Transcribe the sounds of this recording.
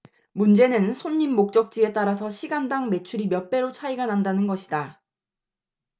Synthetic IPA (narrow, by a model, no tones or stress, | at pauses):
mund͡ʑe̞nɯnsʰoɲːimːok̚t͡ɕ͈ʌk̚t͡ɕ͈ie̞t͈aɾas̬ʰʌɕʰiɡandaŋme̞t͡ɕʰuɾimjʌp͈e̞ɾot͡ɕʰaiɡanandanɯnɡʌɕʰida